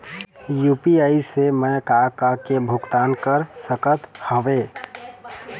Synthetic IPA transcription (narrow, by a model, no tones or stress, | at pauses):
jupiaisemɛkakakebʱukt̪ankəɾsəkət̪həʋe